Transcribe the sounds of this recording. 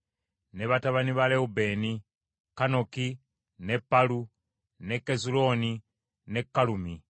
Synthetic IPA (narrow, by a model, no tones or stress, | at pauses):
ne̞βataβaniβaleube̞ni | kano̞ki | ne̞pːalu | ne̞kːezulo̞ːni | ne̞kːalumi